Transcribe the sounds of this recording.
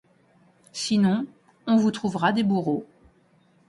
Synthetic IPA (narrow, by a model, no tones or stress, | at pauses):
sinɔ̃ | ɔ̃vut̪χuvʁad̪ebuʁo